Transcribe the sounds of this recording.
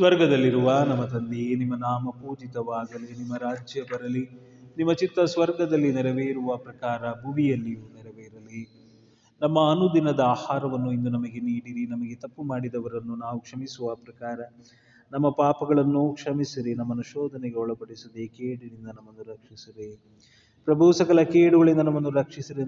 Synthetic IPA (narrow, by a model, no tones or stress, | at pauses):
sʋɐɾɡɐd̪ɐlːiɾuʋaːnɐmːɐt̪ɐnd̪inimːɐnaːmɐpuːd͡ʒit̪ɐʋaːɡɐlenimːɐɾaːd͡ʒjɐbɐɾɐli | nimːɐt͡ʃit̪ːɐsʋɐɾɡɐd̪ɐlːinɛɾɐʋeiɾuʋɐpɾɐkaːɾɐbʱuʋijɐlːijuːnɛɾɐʋeːiɾɐli | nɐmːɐːnud̪inɐd̪ɐaːhaːɾɐʋɐnːuind̪unɐmɐɡe̞niːɽiɾinɐmɐɡe̞t̪ɐpːumaːɽid̪ɐʋɐɾɐnːunaːʋukʂɐmisuʋɐpɾɐkaːɾɐ | nɐmːɐpaːpɐɡɐɭɐnːukʂɐmisiɾinɐmːɐnuʃɔːd̪ʱɐneɡeɔɭɐpɐɽisud̪ekeːɽilind̪ɐnɐmːɐnːuɾɐkʂisiɾe | pɾɐbʱusɐkɐlɐkeːɽuʋɐɭind̪ɐnɐmːɐnːuɾɐkʂisiɾe